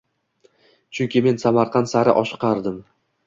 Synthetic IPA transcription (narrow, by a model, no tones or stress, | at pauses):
t͡ʃʰʊŋkʲɪme̞nsamaɾqʰɑnt̪saɾɪ̰ʔɒʃqʰɑɾd̪ɪm